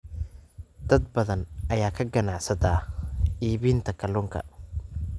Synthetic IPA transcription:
d̪ɐd̪̚bɐðɐnʔɐjaːkʰɐɡɐnaʕsɐt̪ʰaːʔiːβiːnt̪ʰɐkʰɐlʊːŋkʰɐ̰

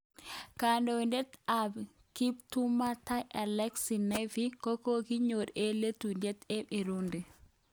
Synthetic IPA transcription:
kandondɛt̪ab | kip̚tumatajʔɛlɛksinafikɔkokiɲoɾeletundɛt̪ɛmiɾundi

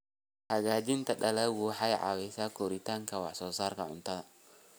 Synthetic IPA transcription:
haɡad͡ʒint̪aɗalawuħajʕa̰wisakoɾit̪aŋkawa̰sɔsaɾkaʕʊ̰nt̪ada

